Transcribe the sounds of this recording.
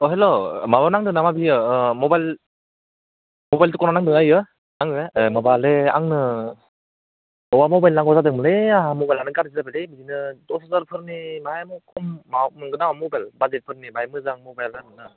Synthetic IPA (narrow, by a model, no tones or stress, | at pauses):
ɔɦelomabanaŋdɯŋnamabiɯmɔbajl | mobajltukɔnanaŋdɯŋajɯ | aŋdɯŋemabalea̰ŋnɯ | ɔwamobajlnaŋɡɔzadɯŋmɯleamobajlanɯɡaɾzizabelebizinɯdɔsazaɾpʰɯɾnimaajmɯkʰɔmːawmɯŋɡɯnawamobajlbad͡ʒet̚pʰɯɾnibajmɯzaŋmobajladɯnɯ